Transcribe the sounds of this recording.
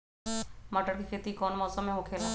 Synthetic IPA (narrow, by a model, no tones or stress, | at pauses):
mɐʈəɾkikʰeːt̪ikɔːnmɔːsəmːẽɦokʰeːla